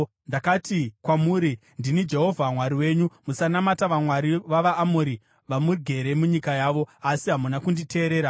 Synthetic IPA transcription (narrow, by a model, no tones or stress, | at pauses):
ndakatikwamuːɾi | ndinid͡ʒe̞ɦo̞vʱamwaɾiwe̞ːɲumusanamataʋamwaɾiʋaʋaʔːmoɾi | ʋamuɡʱe̞ɾe̞muɲikajaːʋo̞asiɦamunakundite̞ːɾe̞ːɾa